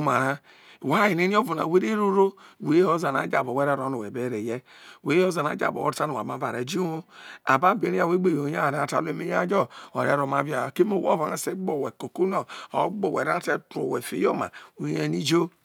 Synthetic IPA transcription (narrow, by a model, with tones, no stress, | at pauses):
ma˨ɾa˦˨ | wa˦i˨ne˦ni˦o˦vu˨na̰˨we˦ɾe˦ɾo˦ɾo˦˨we˨˦ho˦za˨na̰˨˦d͡ʒa˨bo˨we˦ɾe˦ɾo˨˦no˨we˨be˦ɾe˨je˦ | we˨˦o˦za˨na̰˨˦d͡ʒa̰˨bo̰˨o˦a˦nu˨a̰˨ma˨˦va˨ɾe˨d͡ʒi˦o˦a˨ba˦be˨ɾi˦a˦˨we˦ɡ͡be˦˨jo˨˦a˦˨ɾa˦˨ta̰˦˨le˦me˦ja˦d͡ʒo˦o̰˨ɾḛ˨˦ɾo˨ma˨vi˦a˨ke˦mo˦˨wo̰˦va˨na˨se˦ɡ͡bo˦˨we˨ko˨ko˦no˨o̰˨˦ɡ͡bo˨wḛ˨ɾa˦te˦to̰˨we˨fḛ˨˦jo˦ma̰˨o˨˦e˦ni˦d͡ʒo˦